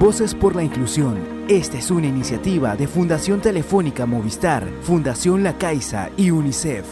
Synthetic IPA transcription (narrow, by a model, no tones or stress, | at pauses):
bo̞se̞spo̞ɾlaiŋklusjon | e̞st̪aesunainisjat̪iβaðe̞fund̪asjo̞nt̪e̞le̞fo̞nikamo̞β̞ist̪aɾfund̪asjo̞nlakajsa̰iunisef